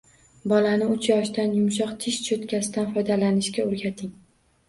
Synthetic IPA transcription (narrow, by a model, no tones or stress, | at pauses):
bɒlanɪʊt͡ʃʰjɒʃd̪anjʊmʃ̬ɒqt̪ʰɪʃt͡ʃʰot̪kʲʰasɪd̪anfɒjd̪alanɪʃkʲaoɾɡʲat̪ʰɪŋ